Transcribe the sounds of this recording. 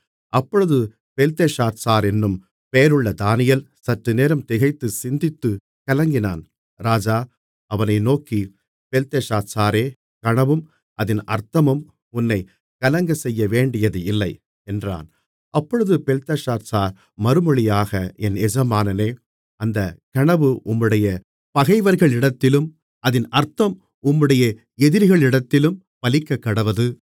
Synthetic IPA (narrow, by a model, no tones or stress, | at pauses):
ʔɐpːɔɻɯðɯ | pɛlt̪eʂaːɾsaːɾɛnːɯm | peːɐɾɯɭːɐd̪aːnɪjɐl | sɐʈrɯneːɾɐmt̪ɪɣɐɪt̪ːɯsɪnd̪ɪt̪ːɯ | kɐlɐŋɡɪnaːn | ɾaːd͡ʒaː | ʔɐʋɐnɐɪnoːki | pɛlt̪eʂaːɾsaːɾeː | kɐɳɐʋɯm | ʔɐðɪnʔɐ̰ɾt̪ɐmɯm | ʊnːɐɪ | kɐlɐŋɡɐsɛjːɐʋeːɳɖɪjɐðɯɪlːɐɪ | ɛndra̰ːn | ʔɐpːɔɻɯðɯpɛlt̪ɐʂaːɾsaːɾ | mɐɾɯmɔɭɪjaːɣɐɛnɛd͡ʒɐmaːnɐneː | ʔɐnd̪ɐkɐɳɐʋɯʔʊmːɯɽɐjɐ | pɐɣɐɪʋɐɾɣɐɭɪɽɐt̪ːɪlɯm | ɐðɪnʔɐɾt̪ɐm | ʊmːɯɽɐjɐ | ɛðɪɾɣɐɭɪɽɐt̪ːɪlɯm | pɐlɪkːɐkːɐɽɐʋɐðɯ